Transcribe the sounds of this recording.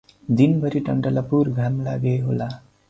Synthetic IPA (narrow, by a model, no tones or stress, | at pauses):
d̪inbʱʌɾiʈʌɳʈʌlapurɡʱamla̰ɡeɦola